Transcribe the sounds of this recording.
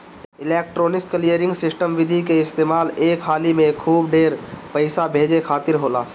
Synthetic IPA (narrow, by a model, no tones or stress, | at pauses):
ɪleːk̚ʈɾoːnɪskːlijəɾɪ̃ŋɡsɪsʈəmʋɪd̪ʱikeɪst̪eːmaːleːkɦaːlimẽkʰuːb̚ɖeːɾpəɪsabʱeːd͡ʒekʰaːt̪ɪɾɦoːlaː